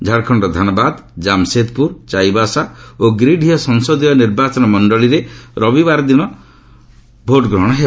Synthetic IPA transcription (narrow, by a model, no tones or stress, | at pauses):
d͡ʒʱaɽkʰɔɳɖɔd̪ʱanɔbad̪d͡ʒamset̪̚puɾt͡ʃajbasaoɡɾiɖʱijɔsɔŋsɔd̪ijɔniɾbat͡ʃɔnɔmɔɳɖɔɭiɾeɾɔbibaɾɔd̪inɔ | bʱoʈɡɾɔɽ̃ɔɦe